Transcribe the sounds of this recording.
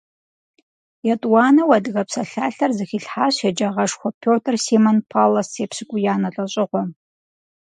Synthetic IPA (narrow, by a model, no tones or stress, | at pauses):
jɛtʼwɑːnɐwɐdɨɣɐpsɐɬaːɬɐrzɨxiːɬħaːɕɛd͡ʒɐʁɐʂxʷɔpʲʰoːtʰɨrsiːmɐnpʰaːlɐseːpɕɨkʷʼʊjaːnɐɬʼɐɕʼɪʁʷɔ